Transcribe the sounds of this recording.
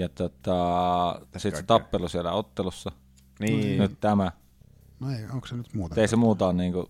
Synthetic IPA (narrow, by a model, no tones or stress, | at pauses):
jɑt̪ot̪ːˑɑ | siˑt̪set̪ɑpːelusielæ̰ot̪ːelusːɑ | ninyt̪t̪æmæ | neõŋksenyt̪muːt̪eisemuːt̪ɑːnniːŋku